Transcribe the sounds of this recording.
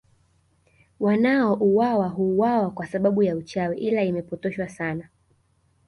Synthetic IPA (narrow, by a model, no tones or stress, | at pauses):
wanaɔʔuwawaɦuːwawakwasaɓaɓujaut͡ʃawɛʔilaimɛpɔtɔʃwasana